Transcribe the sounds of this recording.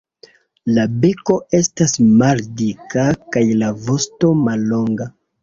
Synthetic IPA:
labe̞ko̞e̞stasmaldikakajlavo̞sto̞malːo̞ŋɡa

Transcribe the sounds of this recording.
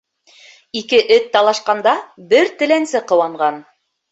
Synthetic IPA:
ikɘʔɘt̪ːɑlˠɑʃqɑnd̪ɑbɘɾt̪ɘ̆lænsɘqɤ̆wɑɴɢɑn

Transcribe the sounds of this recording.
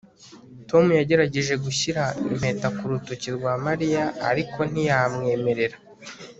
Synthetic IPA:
to̞mujaɟe̞ɾaɟe̞ʒe̞ɡuçiɾaḭm̥e̞ːtakuɾutuciɾɡwaːmaɾijaa̰ɾikʰo̞n̥ijamŋe̞ːme̞ɾe̞ɾa

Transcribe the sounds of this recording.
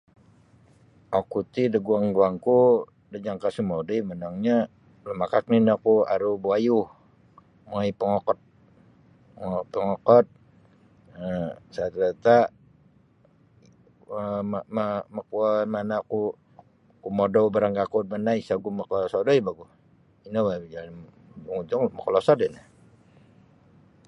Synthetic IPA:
okut̪idəɡuaŋɡuaŋku | dəd͡ʒaŋkasumodəjmənaŋɲa | ləmakak̚ninakua̰ɾubuajuh | maipəŋɔkɔt̪̚ | ŋpəŋɔkɔt̪̚ | əsat̪ɾat̪a | əmmamakuamanaku | kumodobəɾaŋɡakut̪̚manaisaɡumakɔsɔdoibaɡu | inawad͡ʒal | d͡ʒuŋud͡ʒuŋməkɔlɔsɔdɔna

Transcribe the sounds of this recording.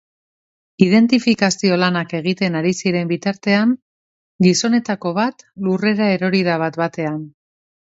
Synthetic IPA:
ið̞e̞nt̪ifikasio̞lanake̞ɣ̞it̪e̞naɾisiɾe̞mbit̪aɾt̪e̞aŋ | ɡiso̞ne̞t̪ako̞β̞at̪lure̞ɾae̞ɾo̞ɾiðaβ̞at̪bat̪e̞an

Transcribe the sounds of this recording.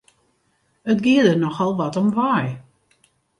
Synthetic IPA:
ətɡɪədərnɔxɔlˠʋɔtɔmʋaj

